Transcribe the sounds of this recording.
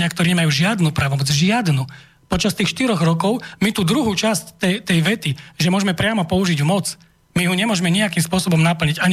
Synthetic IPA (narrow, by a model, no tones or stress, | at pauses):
ɲɪakt̪ɔɾiːɲɛmajuːʒɪad̪nupɾaːʋɔmɔd͡zʒɪad̪nu | pɔt͡ʃast̪iːxʃt̪iɾɔɣɾɔkɔʊmit̪uːd̪ɾuɦuːt͡ʃasct̪ɛt̪ɛjʋɛt̪iʒɛmʊɔʒɛmɛpɾɪamɔpɔuʒiɟumɔt͡s | miɦuɲɛmʊɔʒmɛɲiakimspʊɔsɔbɔmnapl̩ɲiɟaɲ